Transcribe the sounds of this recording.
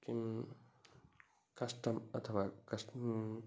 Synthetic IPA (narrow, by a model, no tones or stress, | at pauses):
ki | kɐsʈəmɐt̪ʰəʋaːkɐs